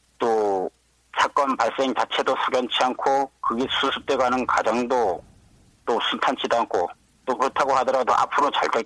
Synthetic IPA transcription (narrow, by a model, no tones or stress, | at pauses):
t͈o | sʰak͈ʌnpaɭs͈e̞ŋt͡ɕat͡ɕʰe̞dosʰuɡjʌnt͡ɕʰiankʰokɯɡesʰusʰut͈e̞ɡanɯnka̰d͡ʑaŋdo | t͈osʰuntʰant͡ɕʰidoankʰo | t͈opɯtʰaɡohadʌɾado̰ʔa̰pʰɯɾot͡ɕa̰ɭta